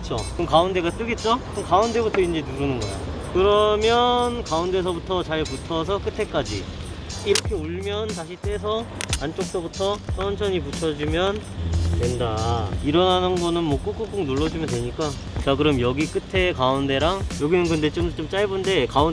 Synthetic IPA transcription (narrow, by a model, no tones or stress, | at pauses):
t͡ɕ͈ʰokɯnkaunde̞ɡat͈ɯɡet̚t͡ɕ͈o | ɯnkaunde̞butʰʌind͡ʑe̞nuɾɯnɯnɡʌa̰ | kɯɾʌmjʌnkaunde̞s̬ʰʌbutʰʌt͡ɕaɭputʰʌs̬ʰʌk͈ɯtʰe̞k͈ad͡ʑḭ | iɾʌkʰe̞uɭmjʌntaɕʰit͈e̞s̬ʰʌant͡ɕ͈ok̚s͈obutʰʌs͈ʌnt͡ɕʰʌɲiput͡ɕʰʌd͡ʑimjʌntwe̞ndaiɾʌnɦanɯnɡʌnɯnmwʌk͈uk͈uk͈uknoɭːʌd͡ʑimjʌntwe̞ɲik͈a | t͡ɕaɡɯɾɯmjʌɡik͈ɯtʰe̞kaunde̞ɾaŋjʌɡinɯnkɯnde̞t͡ɕomt͡ɕ͈omt͡ɕ͈aɭbunde̞kaun